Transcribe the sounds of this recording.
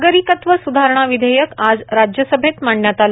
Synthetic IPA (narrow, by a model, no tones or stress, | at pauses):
ɡəɾikət̪ʋəsud̪ʱaɾɳ̃aʋid̪ʱejəkad͡zɾad͡ʑjəsəbʱet̪maɳːjat̪al